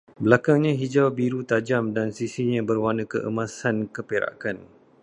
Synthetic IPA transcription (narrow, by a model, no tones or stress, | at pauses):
bəlakaŋɲãɦid͡ʒawbiɾut̪ad͡ʒamdansisiɲãbərwanə̃kə̰ʔə̰mãsankəpeɾa̰kan